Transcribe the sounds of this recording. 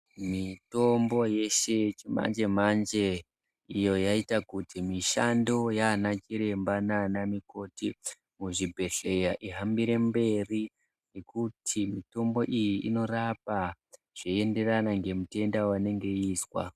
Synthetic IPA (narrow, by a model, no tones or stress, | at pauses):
mito̞mbo̞je̞ʃe̞t͡ʃima̰nd͡ʒe̞m̤and͡ʒe̞ | ijo̞jaitakutʰimiʃando̞janakiɾe̞mbananamiko̞ti | muʐibʱe̞ɬe̞jaʔiɦambiɾe̞mbe̞ri | ne̞kutʰimito̞mbo̞ʔijiʔino̞rapa | ʐ̥ie̞nde̞ranaŋɡe̞mute̞ndawane̞ŋɡe̞iːswa̰